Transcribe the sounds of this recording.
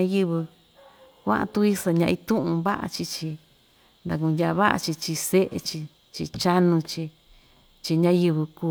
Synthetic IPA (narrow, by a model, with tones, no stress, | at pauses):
ã˦jɨ˦βɨ˧ | kʷã̰˦ʔã̰˧t̪u˦i˦sa˧ɲã˧ĩ˧t̪ũ˦ʔũ˧βa˦ʔa̰˧t͡ʃi˧t͡ʃi˧ | nd̪a˧kũ˧ndʲa˧βa˦ʔa̰˧t͡ʃi˧t͡ʃi˧se˦ʔḛ˧t͡ʃi˧ | t͡ʃi˧t͡ʃa˦nũ˧t͡ʃi˧ | t͡ʃi˧ɲã˦jɨ˧βɨ˧ku˧